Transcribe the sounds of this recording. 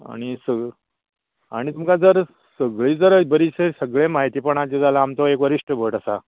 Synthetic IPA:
a̰ɽ̃isə | aɽ̃it̪umkad͡zəɾ | səɡɭiːd͡zəɾbəɾisesəɡɭẽmaɦit̪iːpəɳ̃ãt͡ɕed͡zalaːmt̪oekʋəɾiʂʈʰəbʱəʈəsa

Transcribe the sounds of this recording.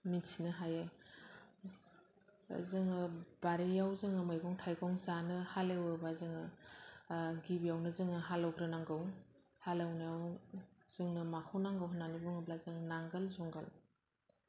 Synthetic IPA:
misinɯɦaja | zɯŋɯb̥aɾijawzɯŋɯmajɡɔŋtʰajɡʰɔŋzanɯhalewɯbazɯŋɯ | ɡibijawnɯzɯŋɯɦalɔwkʰɾɯnaŋɡɯw | halawnijawz̥ɯŋnɯmakʰunaŋɡɯwɦɯnanibuŋɯblazɯŋnaŋɡɯlzuŋɡal

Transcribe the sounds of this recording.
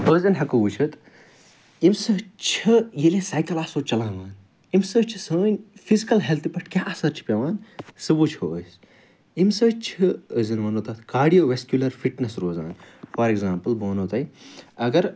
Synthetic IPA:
bəːzɐnɦɐkubut͡ʃʰɐt̪ | imsɨt͡ʃʰɨjilesaːjkɐlaːsoːt͡ʃɐlãːʋaːn | imsɨt͡ʃʰisəːnʲfizikɐlɦelt̪ʰipɐʈkʲjaːʔɐsɐɾt͡ʃʰi̥pʲjɐʋaːnsɨbut͡ʃʰoəs | imsɨt͡ʃʰɨəzɐnʋɐnoːt̪ɐt̪ʰkaːɖijoːʋeskjulɐɾfiʈnɐsɾoːza̰ːnfɐɾeɡzaːmpɨlboːnoːt̪ɐjiɐɡɐɾ

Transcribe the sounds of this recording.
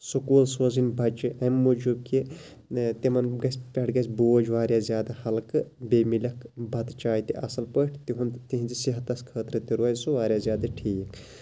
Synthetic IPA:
sukuːlsozinbʱɐt͡ʃɨʔɐmːud͡ʒub̚ki | t̪imɐnɡɐsʲpʲɐʈʰɡɐsʲboːd͡ʒʋaːɾʲjaːzjaːd̪ɐhɐlkɨbeːmilʲɐkbʱɐt̪t͡ʃaːjit̪iʔɐsɐlpəʈʰt̪iɦunt̪iɦinzisiɦɐt̪ɐskʰəːt̪ɾɨt̪iɾuɐːjsuʋaːɾjaːzʲjaːd̪ɐʈʰiːk

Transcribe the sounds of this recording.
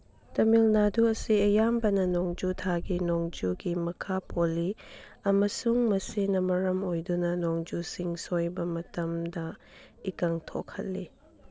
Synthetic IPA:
tɐmilnaduɐsiɐjambɐnɐnoŋd͡ʒutʰaɡinoŋd͡ʒuɡimɐkʰapoliɐmɐsuŋmɐsinɐmɐɾɐmojdunɐnoŋd͡ʒusiŋsojbɐmɐtɐmdɐ | ikɐŋtʰo̰kʰɐ̰t̚li

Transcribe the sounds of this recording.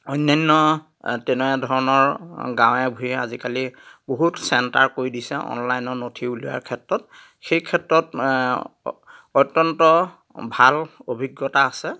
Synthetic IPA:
ɔjnːajnːɔ | tɛnɔadʱɔɹɔnɔɹɡãw̃ɛbʱujɛazikaliboɦutsɛntaɹkoɹidisɛʔɔ̰nlajnɔnotʰiuluja̰ɹkʰɛtɹɔt̚ | xejkʰɛtɹɔt | ɔjtːɔntɔ | bʱalobʱiɡːɔtaːsɛ

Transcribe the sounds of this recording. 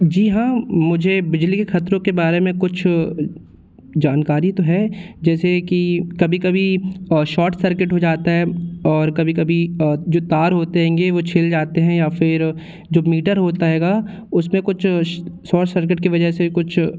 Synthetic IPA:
d͡ʒiːɦãːmʊd͡ʒʱebɪd͡ʒlikexɐt̪ɾõkebaːɾemẽkʊt͡ʃʰ | d͡ʒaːnkaːɾit̪oɦɛd͡ʒɛːsekikɐbʱikɐbʱiʃɔːʈsɐɾkɪʈɦod͡ʒaːt̪aɦɛɔːɾkɐbʱikɐbʱid͡ʒoːt̪aːɾɦoːt̪eɦɛ̃ːŋɡeʋot͡ʃʰɪld͡ʒaːt̪eɦɛ̃jafɪɾ | d͡ʒoːmiːʈəɾɦoːt̪aɦɛːɡa | ʊsmẽkʊt͡ʃʰsɔːʈsɐɾk̬ɪʈkiʋɐd͡ʒəsekʊt͡ʃʰ

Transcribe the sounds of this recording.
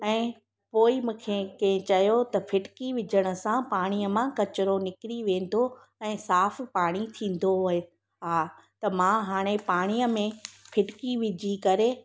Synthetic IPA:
ɛ̃ː | poːimũːkʰekɐ̃ɦɪ̃t͡ɕɐjot̪ɐfʰɪʈkiʋɪd͡ʑʱəɽ̃ʊ̆sãpaːɽ̃ijəmãkɐt͡ɕɪɾonɪkɪɾiʋẽːn̆d̪o | ɛ̃ːsaːfpaːɽ̃it̪ʰĩːn̆d̪oɦʊɦe | ɦaː | t̪ɐmãɦaːɽ̃epaːɽ̃ijəmẽfʰɪʈkiʋɪd͡ʑʱikɐɾe

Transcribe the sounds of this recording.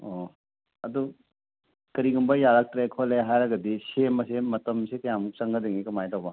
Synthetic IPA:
o | ɐdu | kɐɾiɡumbɐjaɾak̚tɾekʰoleɦajɾɐɡɐdisemɐsemɐtɐmsekɐjamuk̚t͡ʃɐŋɡɐdiŋikɐmajtawbɐ

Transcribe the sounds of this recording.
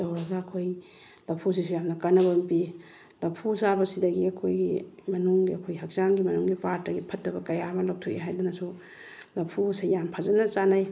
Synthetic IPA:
dɐwɾɐɡɐːkʰoj | lɐpʰus̬isujamnɐkɐnɐbɐmpi | lɐpʰusabɐsidɐɡiɐkʰojɡimɐnuŋɡiɐkʰojɦɐk̚t͡ʃaŋɡimɐnuŋɡipaɾtːɐɡipʰɐtːɐbɐkɐjamɐlɐw̚tʰuʔḛɦajdunɐsu | lɐpʰusijampʰazɐnɐt͡ʃanaj

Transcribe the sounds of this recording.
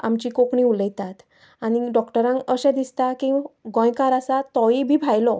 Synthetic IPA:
a̰mt͡ɕiːkokɳĩuləjt̪at̪ | aɽ̃iɖɔkʈəɾãŋəɕɛ̃d̪ist̪akĩɡɔ̃jkaɾasat̪ɔibʱiːbʱajlɔ

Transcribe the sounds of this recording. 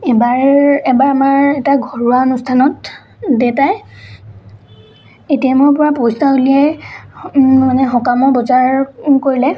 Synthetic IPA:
ɛbaɹɛbaɹamaɹɛtaɡʱɔɹuaonustʰanɔt | detaj | etijamɔɹpɔɹapojstaɦuliɛ | manɛɦɔkamɔbɔzaɹkoɹilɛ

